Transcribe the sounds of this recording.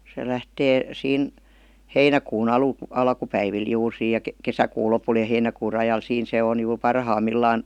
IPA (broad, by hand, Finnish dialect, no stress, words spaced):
se læhteː siːn heinækuːn ɑlu ɑlkupæiʋil juːr siːj jɑ kesækuː lopul jɑ heinækuː rɑjɑl siːn se on jur pɑrhɑmːilːɑːn